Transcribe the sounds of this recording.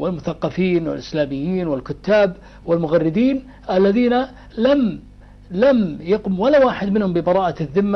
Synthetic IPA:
wɪlmʊθaqːɑfiːnwɪ̰lʔɪslaːmɪjːiːnwɪlkʊt̪ːaːb | wɪlmʊɣarːɪd̪iːn | ʔalːaðiːna | lam | lamjaqʊmwalawaːħɪd̪mɪnhʊmbɪbɑɾˤɑːʔaðːɪmːa

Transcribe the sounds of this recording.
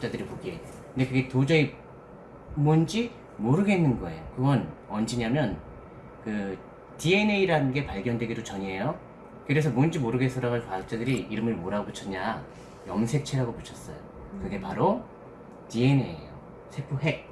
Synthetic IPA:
t͡ɕ͈adɯɾipoɡie̞okkɯndekɯɡe̞tod͡ʑʌi | mond͡ʑi | moɾɯɡe̞nːɯnɡʌe̞jokɯɡʌnʌnd͡ʑiɲamjʌn | kɯ | tie̞neiɾanɯnɡe̞paɭɡjʌndwe̞ɡidot͡ɕʌɲie̞jo | kɯɾe̞s̬ʰʌmond͡ʑimoɾɯɡes͈ʌɾaɡaɭkwaak̚t͡ɕ͈adɯɾiiɾɯmɯɭmoɾaɡoput͡ɕʰʌɲa | jʌmsʰe̞k̚t͡ɕʰeɦaɡoput͡ɕʰʌs͈ʌ̰jo̰ | kɯɡe̞paɾo | tie̞ne̞̰jo | sʰe̞pʰuɦek̚

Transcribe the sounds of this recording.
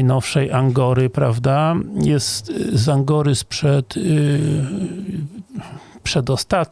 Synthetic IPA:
jnɔfʂɛjʔaŋɡɔɾɘpɾavd̪ajɛst̪zaŋɡɔɾɘspʂɛt̪ | pʂɛd̪ɔst̪at̪̚

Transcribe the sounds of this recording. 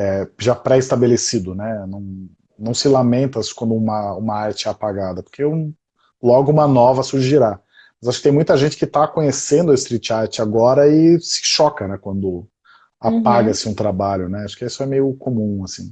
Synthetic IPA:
ɛʒapɾɛist̪abelesid̪ʊnɛnɐ̃w̃ | nɐ̃w̃sɪlamẽnt̪ɐskwɐ̃nd̪ʊũmɐũmɐaɾt͡ʃɪɛapaɡad̪ɐpo̥ɾkeũ | lɔɡʊũmɐnɔvɐsuɾʒiɾa | mmɐzaʃʊkɪt̪ẽmũj̃t̪ɐʒẽnt͡ʃɪ̥kɪt̪akõɲesẽnd̪ʊɪst̪ɾit͡ʃaɾt͡ʃɪaɡɔɾɐɪsɪ̥ʃɔkɐnɛkwɐ̃nd̪ʊ | apaɡɐsɪũt̪ɾabaʎʊnɛaʃʊ̥kɪisʊɛmejʊkomũasĩ

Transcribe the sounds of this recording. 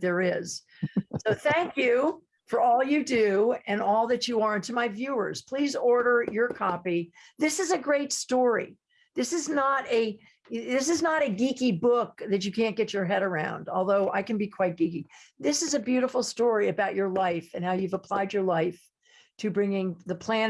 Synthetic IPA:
ðə˞ɪz̥ | soʊθæ̃ŋkjʉ | fə˞ɔlˠjɨdʉɨ̃nɔlˠðɨt͡ʃɨə˞ɪ̃ntʉmaɪvjʉə̰˞z̥pʰl̥izɔɹɾə˞jə˞kʰɑpiðɪsɨzɨɡɹeɪtstɔɹḭ | ðɪsɨznəɾɨ | ðɪs̬ɨznəɾɨɡikibʊk̚ðɨt͡ʃɨkʰæ̃nɡ̥ɛt͡ʃə˞ɦɛɾə˞ãʊ̃ndɔlˠðoʊʔa̰ɪkɨ̃n̩bikʰw̥aɪt̚ɡ̥ikiðɪsɨzɨbjʉɾəfl̩ˠstɔɹiɨbaʊt͡ʃə˞laɪfɨ̃nhaʊjʉvəpʰl̥aɪd͡ʒə˞laɪf | tʰɨbɹɪ̃ŋɪ̃ŋðəpʰl̥æ̃n

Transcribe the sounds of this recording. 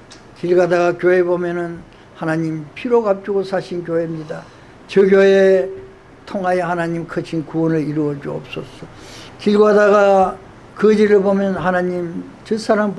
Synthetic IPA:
kiɭɡadaɡakjoebomjʌnɯn | hanaɲimpʰiɾoɡap̚t͡ɕ͈iɡosʰaɕʰink̬ʲjoɦe̞mɲida | t͡ɕʌɡʲjoe | tʰoŋɦajehanaɲimkʰɯɕʰinkuʌnɯɭiɾuʌd͡ʑuʌ̰p̚s͈ʌsʌ | kiɭɡadaɡa | kɯd͡ʑiɾɯɭbomjʌnɦanaɲim | t͡ɕɯsʰaɾamp

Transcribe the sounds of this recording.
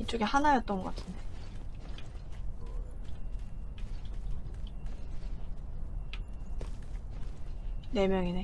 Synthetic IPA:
it͡ɕ͈oɡehanajʌt͈̚ʌnɡʌk͈atʰɯnde | ne̞mjʌŋine

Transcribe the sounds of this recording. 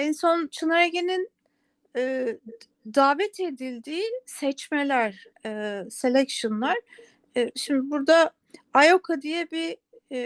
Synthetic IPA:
ɛnso̞nt͡ʃʰɯnaɾaɡenin | ɛː | d̪aːvɛt̪ʰed̪ilʲd̪iːsɛt͡ʃmelʲæɾ̥ː | selʲɛkʃonlˠaɾ̥ | ʃimd̪ibuɾd̪a | ajokʰad̪ijɛbi

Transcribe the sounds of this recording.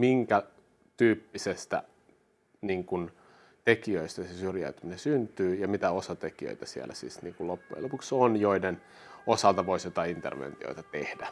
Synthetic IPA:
miŋkæ | t̪yːpːisest̪æ̰ | niːŋkun | t̪ekiøist̪æsesyrjæ̰yt̪yminesynt̪yːjɑmit̪æosɑt̪ekiø̰it̪æsiḛlːæ̰sḭːsnḭːŋkulopːujɑ̰lopuksonjoiden | osɑlt̪ɑʋoisjot̪ɑint̪ḛrʋḛnt̪io̰it̪ɑt̪ehdæ

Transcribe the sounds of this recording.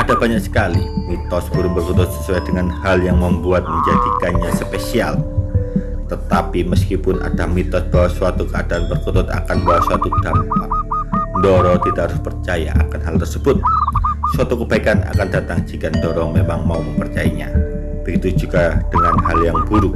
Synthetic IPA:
ʔadabaɲaksə̥kalimit̪ɔsbuɾubərkɔt̪ʊt̪̚sə̥suajdəŋanhaljaŋməmbuat̪̚məɲd͡ʒadikanɲasəpesial | t̪ət̪apiməskipʊna̰damit̪ɔsbawasuat̪ukəadaʔanbərkut̪ʊt̪a̰kanbawasuwat̪ud̥ampaʔndɔɾɔt̪idaʔhaɾʊspərt͡ʃaja̰ʔa̰kanɦalt̪ərsəbʊt̪̚suat̪ukəbaikana̰kandat̪aŋd͡ʒikandɔɾɔŋmemaŋmauməmpərt͡ʃaiɲa̰ | b̥əɡit̪ud͡ʒuɡad̥əŋanhaljaŋbuɾu

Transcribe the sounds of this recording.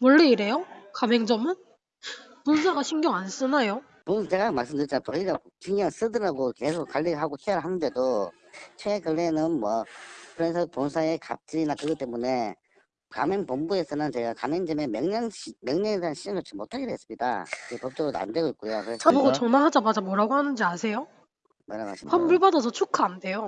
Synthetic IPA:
mʌɭːeiɾe̞jokameŋd͡ʑʌmɯn | ponsʰaɡaɕʰiŋɡjʌŋans͈ɯnajo | pont͡ɕe̞ɡamaɭs͈ɯmdɯɾit͡ɕamapʌɭːiɡakiŋaŋs͈ɯdɯɾaɡoke̞sʰok͈ːaʎːiɡɯɭɦaɡokʰeʌɾɯɭɦanɯnde̞do | t͡ɕʰeːkɯɭːenɯnmwʌkɯɾes̬ʰʌponsʰae̞ka̰p̚t͡ɕ͈iinakɯɡʌt͈e̞mune̞ | ka̰menpombue̞sʰʌnɯnt͡ɕe̞ɡakamend͡ʑememjʌŋɲʌŋɕimjʌŋɲʌŋedeɦanɕʰid͡ʑɯnɡʌt͡ɕʰimotʰaɡedoɦe̞s͈ɯ̥mɲida̰ɯɡepʌp̚t͈oɾoda̰ndeɡoit̚k͈ujokɯt͡ɕamoɡʌt͡ɕʌŋmaɭɦad͡ʑamad͡ʑamoɾaɡohanɯnd͡ʑiasʰe̞jo | maɲaɡa̰ɕʰimpʰʌnbuɭbadasʰʌt͡ɕʰukʰaande̞jo

